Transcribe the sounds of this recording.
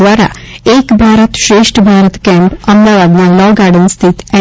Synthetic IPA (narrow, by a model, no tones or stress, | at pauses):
ʋaːɾa̰ | eːkbʱaːɾət̪ʃɾeːʂʈbʱaːɾət̪kɛːmpɐmd̪aːʋaːd̪nalɔːɡaːɾɖənst̪ʰit̪ɛ